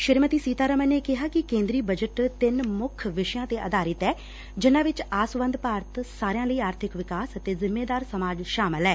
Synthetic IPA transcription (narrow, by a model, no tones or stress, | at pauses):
ʃɪɾmət̪iːsiːt̪aːɾəməneːkɪɦaːkɪkẽːnd̪ɾiːbəd͡ʒəʈt̪ɪnmʊkʰʋɪʃjãːt̪eːʔəd̪aːɾɪt̪ɛː | d͡ʒɪnãːʋɪt͡ʃaːsʋə̃nd̪paːɾət̪saːɾejãːləiːaːɾt̪ʰɪkʋɪkaːsət̪eːzɪmːeːd̪aːɾsəmaːd͡ʒʃaːmɪlɦɛː